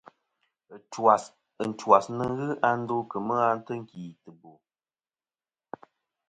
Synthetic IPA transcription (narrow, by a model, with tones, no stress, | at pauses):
twa˨s | ə˨n̩˨twa˨snə˦ɣɨ˦ʔa˦n̩˦do˦kə˨mə˦a˦n̩˦tə˦ŋ̩˨kiː˨tə˨bo˨